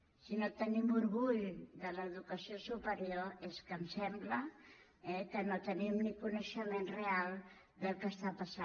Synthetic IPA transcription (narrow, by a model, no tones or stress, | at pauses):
sinot̪ənimuɾɣuʎd̪ələðukəsiosupəɾioeskəmsɛmblə | ɛkənot̪ənimnikunəʃəmenrealˠ | d̪əlˠkəst̪apəsa